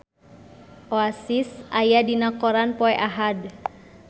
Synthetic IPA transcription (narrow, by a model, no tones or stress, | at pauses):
ʔoasisʔajadinakɔɾanpɔɛʔaɦad